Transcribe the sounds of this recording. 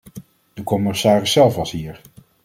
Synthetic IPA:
dəkɔmɪsaːrəsːɛlˠfɑsɦiːɹ

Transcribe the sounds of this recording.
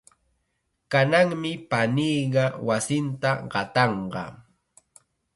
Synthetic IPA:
kanaŋmɪpaniːɢɑwasɪnt̪aɢɑt̪ɑɴɢɑ̰

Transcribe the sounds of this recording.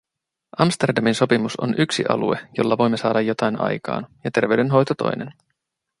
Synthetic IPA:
ʔɑmst̪erdɑminso̞pimuso̞̰nʔyksḭʔɑ̰luejo̞lːɑʋo̞jmːe̞sɑːdɑjːo̞t̪ɑjnɑ̰jkɑ̰ːnjɑt̪e̞rʋe̞ʉɥde̞nɦo̞jt̪ot̪o̞̰jnḛn

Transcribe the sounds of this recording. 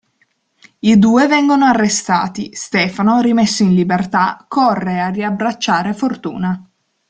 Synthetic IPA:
id̪uːevɛŋɡonoarːest̪a̰ːt̪ist̪ɛːfanoɾimesːoinlibert̪akʰorːeariabɾat͡ʃːaːɾefort̪ṵːna

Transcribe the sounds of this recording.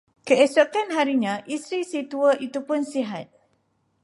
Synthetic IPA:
kəɛsokanɦaɾiɲãʔisɾisit̪uəʔit̪upʊnsiɦat̪̚

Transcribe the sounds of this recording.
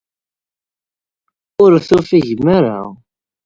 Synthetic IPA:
ʊɾθufiʝmaɾa̰

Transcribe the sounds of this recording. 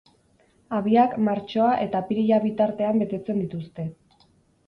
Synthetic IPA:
aβiakmaɾt͡ʃo̞aʔe̞t̪apiɾiʎaβit̪aɾt̪e̞ambe̞t̪e̞t͡se̞nd̪it̪ust̪e̞

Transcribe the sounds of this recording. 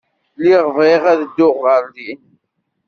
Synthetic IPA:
liʁəvʁɪʁæðəd̪ːʊʁːəɾli

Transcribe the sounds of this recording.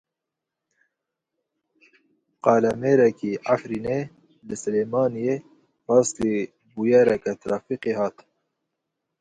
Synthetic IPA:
qɑːlameːɾɛkiafɾiːne | lɨsɨleːmɑːnije | ɾɑːst̪i | bujɛɾɛkɛt̪ɾʔɑːfiqehɑːt̪

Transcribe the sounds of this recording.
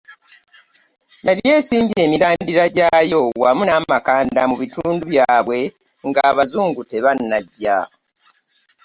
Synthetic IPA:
jalje̞ːsiːmbie̞ːmiɾaːndiɾaɟaːjo̞wamunaːmakaːndamuβituːnduβjaːβwe̞ | ŋɡaːβazuːŋɡute̞βanːaɟːa

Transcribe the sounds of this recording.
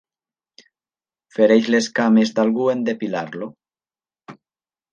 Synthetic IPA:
feɾejzleskamezd̪alɣuend̪epilaɾlo

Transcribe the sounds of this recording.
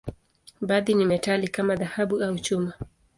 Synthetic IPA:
baðinimɛtalikamaðahaɓuaut͡ʃuma

